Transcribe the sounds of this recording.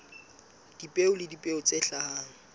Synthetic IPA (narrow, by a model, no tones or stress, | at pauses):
d̥ipʼeʊlɪdipʼeʊt͡sʼɛɬahaːŋ̩